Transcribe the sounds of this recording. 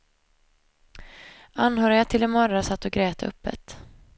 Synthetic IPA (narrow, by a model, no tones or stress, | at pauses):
ʔanhœːɾɪɡat̪ʰɪlɛnmœɾasat̪ːɔɡɾeːt̪ɵ̰pːə̰t̪